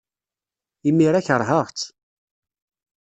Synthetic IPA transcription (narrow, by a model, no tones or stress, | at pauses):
imːiɾæçəɾˤɦəʁt͡sː